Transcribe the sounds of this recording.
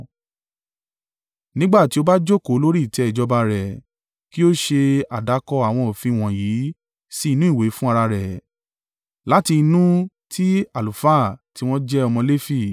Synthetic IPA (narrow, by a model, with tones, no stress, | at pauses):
nĩ˦ɡ͡ba˦˨ti˨˦o˧ba˦d͡ʒo˦˨ko˨˦lo˦ɾi˦i˦˨tɛ˨˦ɛ˦˨d͡ʒɔ˨˧ba˧ɾɛ˨ | ki˦o˦ʃe˧a˨da˨˦kɔ˧a˨w̃ɔ̃˧o˨fĩ˧˨w̃ɔ̃˨jiː˨˦ | si˦i˧nũ˦i˦˨we˨˦fũ˦a˧ɾa˧ɾɛ˨ | la˦ti˧i˧nũ˦ | tʰi˦a˦˨lu˨fa˦˨ti˦w̃ɔ̃˦d͡ʒɛ˦ɔ˧mɔ̃˧le˦fi˦˨